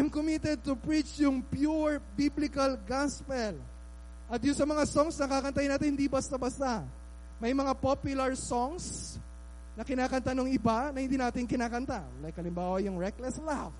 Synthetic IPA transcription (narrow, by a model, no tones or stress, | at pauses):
ajmkomit̪ɛd̪̚t̪ʊpɹit͡ʃjʊŋpjuɹbiblɪkɐlɡaspɛl | ʔɐt̪jʊŋsɐmɐŋasoŋsnɐkakɐnt̪ajɪnaːt̪ɪnhɪnd̪ibɐst̪abɐst̪a | mɐjmɐŋapopjʊlɐɹsoŋs | nɐkɪnaːkɐnt̪anoŋɪbanɐhɪnd̪iːnaːt̪ɪŋkɪnaːkɐnt̪a | lajkɐlɪmbaːwɐjʊŋɹɛklɛslaf